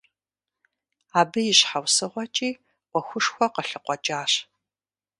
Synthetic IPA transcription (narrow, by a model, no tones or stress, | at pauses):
aːbɨjɪɕħawsɨʁʷɔt͡ʃʼiː | wʷɔxʷʊʂxʷɔqəɬɨqʷɔt͡ʃʼaːɕ